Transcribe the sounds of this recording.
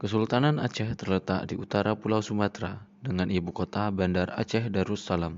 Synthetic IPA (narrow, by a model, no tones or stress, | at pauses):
kəsult̪ananat͡ʃɛht̪ərlət̪a̰ʔdiut̪aɾapulawsumat̪ɾa | dəŋanʔibukot̪abandara̰t͡ʃɛhdaɾusalam